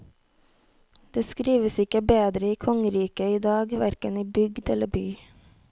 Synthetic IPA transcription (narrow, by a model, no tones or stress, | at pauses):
d̪̥eːskɾiːʋəsɪkəbeːd̪ɾəiːkʰɔŋəɾiːkəiːd̪ɑːɡʋæɾkəniːbʏɡd̪ɛləbyː